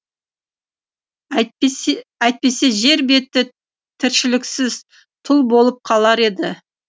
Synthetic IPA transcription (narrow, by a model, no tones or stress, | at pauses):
æjt̪̚pe̞se̞ʒe̞ɾbe̞t̪ːɪ | t̪ʰɪɾʃɪlɪksɪz̥ | t̪ʰʊlˠbo̞lˠəp̚qʰɑlˠɑɾe̞d̪ɪ